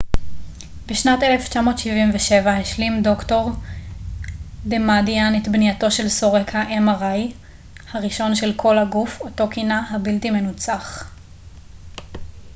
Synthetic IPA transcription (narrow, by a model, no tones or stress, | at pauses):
beʃnate̞left͡ʃamo̞ːtʃivimveʃe̞vaheʃlimdo̞kto̞ʁ | demadianetbnijato̞ʃe̞lsoʁekhaʔemaʁaj | haʁiʃo̞nʃelkʰo̞lhaɡufoto̞kinahabiltimenut͡saχ